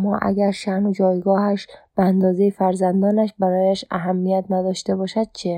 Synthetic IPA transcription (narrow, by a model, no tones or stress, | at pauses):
mɒːʔæ̰ɡæɾʃæɾnod͡ʒɒːjɡɒːhæʃb̥eænd̪ɒːzejefæɾzænd̪ɒːnæʃbæɾɒːjæʃæɦæmːijæt̪næd̪ɒːʃt̪ebɒːʃæd̪̚t͡ʃʰe